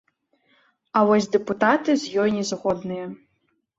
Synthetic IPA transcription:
ɐvɔsʲd̪ɛput̪at̪ɨzʲjɔjnʲɛzɣɔd̪nɨjɐ

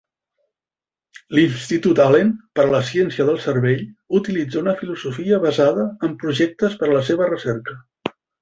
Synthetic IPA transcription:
linst̪it̪ut̪alenpəɾələsjɛnsiəðəlˠsərβeʎut̪ilid͡zaunəfiluzufiəβəzaðəːmpɾuʒɛk̚t̪əspəɾələseβərəsɛɾkə

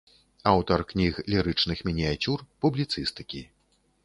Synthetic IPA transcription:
awt̪ɐrknʲixlʲiɾɨt͡ʂnɨxmʲinʲijat͡sʲurpublʲit̪sɨst̪ɨ̥kʲi

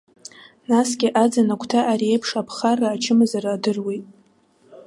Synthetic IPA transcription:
nasɡʲɪʔad͡zanakʷʰtʰaʔːɾiejpʰʂapʰχaraːt͡ʃʰɨmazaraːdɨrwejtʼ

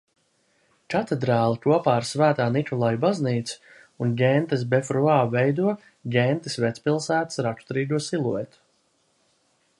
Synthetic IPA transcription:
kat̪ed̪ɾaːlˠikuɔpaːɾsvæːt̪aːnikɔlˠajubazniːt̪s | unɟɛnt̪as̬befɾuaːvɛjd̪uɔ | ɟʲɛnt̪isvʲɛt̪spilˠsæːt̪sɾat̪u̥t̪ɾiːɡ̪uɔsilˠuɛt̪u̥

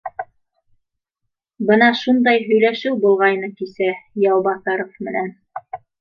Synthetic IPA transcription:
bɤnɑʃund̪ɑjɦɵ̆jlæʃɘwbulˠʁɑjnɤkisæjɑwbɑθɑɾofmɘ̆næn

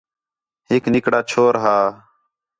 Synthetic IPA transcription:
ɦeːknɪkɽaːt͡ʃʰoːɾɦaː

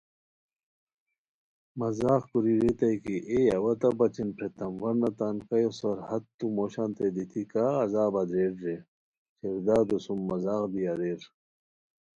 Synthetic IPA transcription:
mɐzaːxkuɾiɾet̪ɐjkiʔeɐwɐt̪ɐbɐt͡ɕinpʰɾet̪ɐmwɐɾnɐt̪ankɐjosɐɾhɐt̪t̪ːumoːɕaːnt̪ed̪it̪ʰikaːzaːbɐd̪ɾeːɾɾe | ɕeɾd̪aːd̪usumːɐzaːqb̪ijɐɾeɾ

